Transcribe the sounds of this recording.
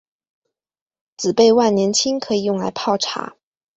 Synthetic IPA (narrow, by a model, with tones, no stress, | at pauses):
t͡sɹ̩˨˩pe˥˧ɪwa˥˩nnjɛ˧˥nt͡ɕʰi˥ŋkʰɤ˧˥i˨˩jʊ˥˩ŋla̰˧˥ɪpʰɑ˥˩ʊʈ͡ʂʰa̰˧˥